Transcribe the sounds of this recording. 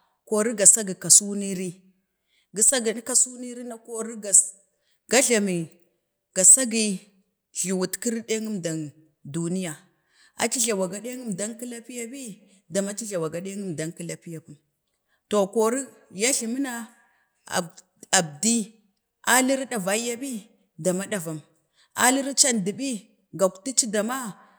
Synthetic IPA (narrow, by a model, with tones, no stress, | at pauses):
ko˨ɾi˦ɡa˨sa˦ɡi˨ka˨su˦ni˦ɾi˦ | ɡi˨sa˦ɡi˨ni˦ka˦su˦ni˦ɾi˦na˦ko˦ɾi˦ɡa˨ | ɡ̥a˦ɮa˨mi˨ | ɡ̥a˨sa˦ɡi˦ | ɮi˨wu˨tki˦ɾi˦ɗe˦ŋu˦mda˨n | du˨ni˦ja˨ | a̰˨t͡ʃi˦ɮa˨wa˨ɡa˨ɗe˦ŋu˦mda˦ŋki˦la˦pi˦ja˦pi˦ | da˨ma˦t͡ʃi˦ɮa˨wa˨ɡa˨ɗe˦ŋu˦mda˨ŋki˦la˦pi˦ja˨ku˦m | to˨ko˨ɾi˦ | ja˦ɬi˨mi˦na̰˦˨ | a˨bdi˦ | a˦li˦ɾɗa˨va˦ja˦bi˦ | da˨ma˦ɗa˨va˨m | a̰˦li˦ɾt͡ʃa˦ndi˨ɓi˦ | ɡa˨kti˦t͡ʃi˦da˨ma˦